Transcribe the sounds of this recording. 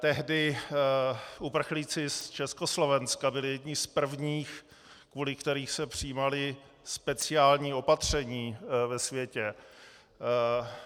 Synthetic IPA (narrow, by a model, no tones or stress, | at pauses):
t̪ɛɦdɪ | upr̩xliːt͡sɪst͡ʃɛsko̞slo̞vɛnskabɪlɪjɛdɲɪspr̩vɲiːx | kvuːlɪkt̪ɛɾiːxsɛpr̝̥ɪiːmalɪ | spɛt͡sɪaːlɲiːo̞pat̪r̝̥ɛɲiːvɛsvjɛcɛ